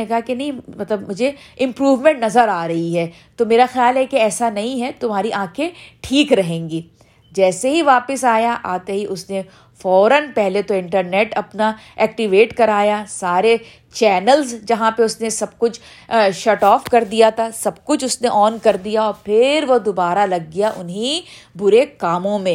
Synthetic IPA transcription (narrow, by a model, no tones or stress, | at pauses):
ekɐɦakenɐɦĩmɐt̪ləbmʊd͡ʒʱe | ɪ̃mpɾuːʋmɛ̃ɳʈnɐzəɾaːɾɐɦiɦɛː | t̪omeːɾaxjaːlɦɛkeɛːsanɐɦĩɦɛt̪ʊmɦaːɾiʔãːkʰeʈʰiːkɾɐɦẽːŋɡiː | d͡ʒɛːseɦiʋaːpɪsaːjaʔaːt̪eɦiʔʊsne | fɔːɾənpɛɦlet̪oɪ̃ɳʈəɾnɛːʈɐpna | ɛːk̚ʈiʋeːʈkɐɾaːjasaːɾe | t͡ʃɛːnəlzd͡ʒɐɦãpeʊsnesɐb̚kʊt͡ʃʰ | ʃɐʈɔːfkɐɾd̪ijat̪ʰasɐbkʊt͡ʃʰʊsneʔɔːnkɐɾd̪ijaɔːɾpʰɪɾʋod̪obaːɾalɐɡ̚ːijaʔʊnɦĩ | bʊɾekaːmõmẽ